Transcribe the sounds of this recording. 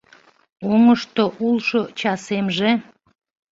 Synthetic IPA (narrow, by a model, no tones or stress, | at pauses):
oŋəʃt̪oʔulʃot͡ɕɑsemʒe